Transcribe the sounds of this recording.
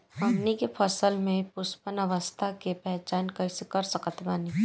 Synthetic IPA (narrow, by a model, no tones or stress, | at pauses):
ɦɐmnikepʰɐsəlmẽpʊspənəʋəst̪ʰakepɛɦt͡ʃaːnkɐsekɐɾsəkət̪maːni